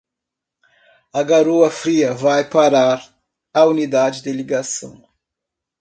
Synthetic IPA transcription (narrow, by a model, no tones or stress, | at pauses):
ɐɡaɾoɐfɾiɐvajpaɾaɾ | aunid̪ad͡ʒɪd̪ɪliɡasɐ̰̃w̃